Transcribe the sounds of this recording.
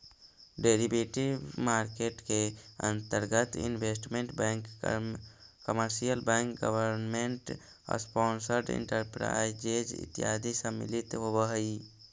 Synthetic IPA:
ɖeːɾibeʈibmaːɾkeʈkeə̰̃nt̪əɾɡət̪ḭnbesʈmeɳʈbɛ̃ŋk | kəməɾsijəlbɛ̃ŋkɡəʋəɾnmeɳʈː | spɔːnsəɾɖɪ̰̃ɳʈəɾpɾa̰ɪd͡ʒed͡ʒɪ̰t̪ijaːd̪isə̃mɪ̰lit̪ɦobəɦəi

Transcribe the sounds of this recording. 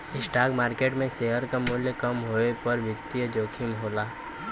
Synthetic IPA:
ɪsʈaːɡmaːɾkeːʈmẽseːɦəɾkamʊɦljəkɐmɦoːepəɾʋɪt̪ːiəd͡ʒoːkʰɪmɦoːlaː

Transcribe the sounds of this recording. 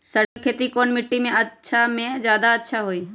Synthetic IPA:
sɐkʰeːt̪ikoːnmɪʈːimẽɐtːʃʰamẽd͡ʒjaːd̪aɐtːʃʰaɦoiː

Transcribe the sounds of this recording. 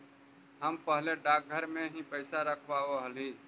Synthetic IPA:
ɦəmpəɦleɖaːk̚ɡʱəɾmẽɦipəɪsaɾəkʰʋaːɦoɦəliː

